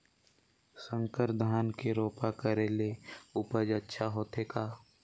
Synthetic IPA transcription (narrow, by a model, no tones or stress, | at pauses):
sə̃ŋkəɾd̪ʱaːnkeɾoːpakəɾeleʊpəd͡ʒətːʃʰaɦoːt̪ekaː